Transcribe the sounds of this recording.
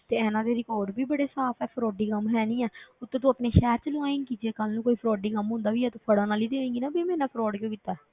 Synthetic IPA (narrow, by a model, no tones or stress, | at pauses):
t̪eːɛːnãːd̪eːɾɪkɔːɖbiːbəɽeːsaːpʰɛːpʰɾɔːɖiːkəmɦɛːnĩːɛːʊt̪ːẽːt̪̬õːpneːʃɛːt͡ʃlãːɪ̃ŋɡkiːd͡ʒeːkəlnũːkoːiːpʰɾɔːɖiːkəmɦʊ̃ːnd̪aːʋiːɛːt̪ũːpʰəɽãːnaːliːd̪eːẽːɡiːnaːbeːmɛ̃ːnãːpʰɾɔːɖkjõːkiːt̪ːaː